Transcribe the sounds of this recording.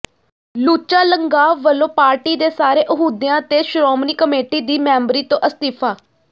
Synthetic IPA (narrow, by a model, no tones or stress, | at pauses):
luːt͡ʃaːləŋɡaːʋːəlːõːpaːɾʈiːd̪eːsaːɾeːʔəɦuːd̪jãːt̪eːʃɾɔːmniːkəmeːʈiːd̪iːmɛ̃ːmbɾiːt̪õːʔəst̪ipʰaː